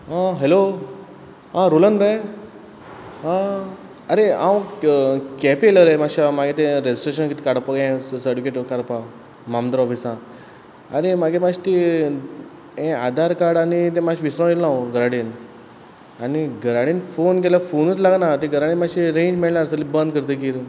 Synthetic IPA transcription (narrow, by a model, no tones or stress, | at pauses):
ɦãɦelo | ɦãɾulənbe | ɦã | əɾeãw | kɛpieləɾemaɕamaɡet̪̬ẽɾed͡ʑi̥sʈɾeɕənkit̪i̥kaɽpəɡẽsəɾɖukeʈəkaɾpa | mamd̪əɾɔfisã | aɾemaɡẽmaɕt̪i | ẽad̪ʱaɾkaɽanit̪̬ẽmaɕiʋisɾə̃elnaoɡəɾaɽin | aniɡəɾaɽiːnfonk̬elafonət͡slaɡnat̪iɡəɾaɽiːmaɕiɾẽɲd͡ʑmiɭnaɾsəlibə̃nd̪̚kəɾt̪̬ək̬iːɾ